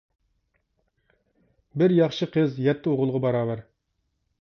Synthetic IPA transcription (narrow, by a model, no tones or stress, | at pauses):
bɪɾjɑχʃɨqʰəzjɛt̪ʰːɪoʁʊlˠʁɑbɑɾɑːvæɾ